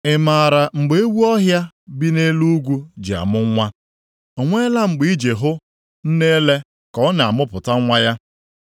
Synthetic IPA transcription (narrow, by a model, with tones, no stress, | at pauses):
ɪ˨maː˨ɾa˨ŋ͡m̩˨ɡ͡be˨e˦wu˦ɔ˦ɦja˦ | bi˦ne˦lu˦ɡʷu˦d͡ʒi˨a̰˨mʊ˦ŋ˦ŋʷa˦ | o˨ŋʷe˦la˦ŋ͡m̩˨ɡ͡bi˨˦i˦d͡ʒe˨ɦʊ˦ | n̩˦ne˦le˦ | kɔ˦na˨a˨mʊ˦pʊ˨ta˦ŋʷa˦ja˦